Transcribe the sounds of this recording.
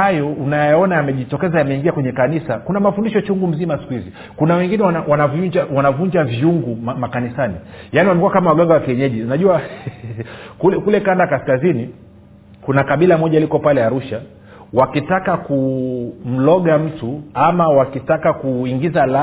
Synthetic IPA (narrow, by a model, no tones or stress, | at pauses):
hajɔunajaɔnajamɛʄitɔkɛzajamɛiŋɡiakwɛɲɛkanisakunamafundiʃɔt͡ʃuŋɡum̩zimasi̥kuhivi | kunawɛŋɡinɛaawanavud͡ʒawanavuɲd͡ʒavjuŋɡumamakanisanijaniwamɛkuwakamawaɠaŋɡawakiɛɲɛʄinaʄuwa | kulɛkulɛkandakaskazini | kunakaɓilamɔʄalikɔpalɛaɾuʃa | wakitakakum̩lɔɠam̩tuamawakitakakuiŋɡizala